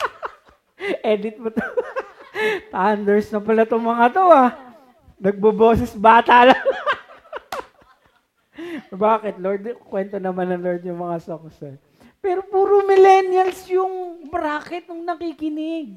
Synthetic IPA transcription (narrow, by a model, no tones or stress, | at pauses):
ʔɛd̪ɪt̪̚mɐt̪o | t̪and̪ɛɹsnɐpɐlɐt̪oŋmɐŋat̪oa | nɐɡ̚bɐboːsɛsbaːt̪alal | baːkɪt̪loɹd̪kwɛnt̪onɐmanɐŋloɹd̪jʊŋmɐŋasoksɛ | pɛːɾopuːɾomɪlɛnjɐlsjʊŋbɾaːkɪt̪̚nʊŋnɐkiːkɪnɪɡ̚